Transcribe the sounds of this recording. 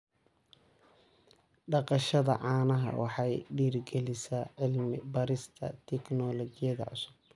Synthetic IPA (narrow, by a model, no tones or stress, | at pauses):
ɖɑqɑʃɐðɐ̰ʕɑːnɐɦɐ̰wʔɑħɑjɖiːrɡɛlɪsaʕɪlmɪbɐɾɪst̪ʰɐ̰t̪ʰɛknɔlɔt͡ʃɪjɐðɐ̰ʕʊ̰sʊ̥b̥̚